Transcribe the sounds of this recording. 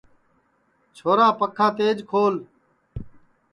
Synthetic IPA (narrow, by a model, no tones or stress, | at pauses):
t͡ʃʰoːɾaːpəkʰãːt̪eːd͡ʒkʰoːl